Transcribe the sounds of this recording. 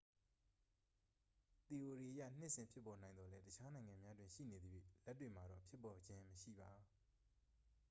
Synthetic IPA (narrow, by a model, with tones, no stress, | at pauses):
t̪i˨ʔo˨ɾi˨ʔəja̰˦˨n̥ɪ˦ʔsɪ̃˨mpʰjɪ˦pːɔ˨nã˨ɪ̃nd̪ɔ˨lɛ˦tət͡ɕʰa˦nã˨ɪ̃ŋã˨mja˦dwɪ̃˨ʃḭ˦˨ne˨d̪əjwḛ˦˨ltːwe˨m̥a˨ɾɔ̰˦˨pʰjɪ˦pːɔ˨d͡ʑɪ̃˦məʃḭ˦˨ba˨